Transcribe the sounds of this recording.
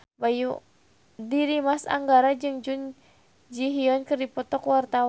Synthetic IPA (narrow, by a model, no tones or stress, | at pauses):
baju | diɾimasa̰ŋɡaɾad͡ʒɨŋd͡ʒun | d͡ʒiɦiɔnkɨrdipɔt̪ɔkwart̪aw